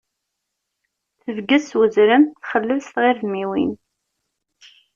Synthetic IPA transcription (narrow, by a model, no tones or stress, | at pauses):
θəvɡæswəzɾəmθχəlːəlst̪ʁɪɾðmiwḭn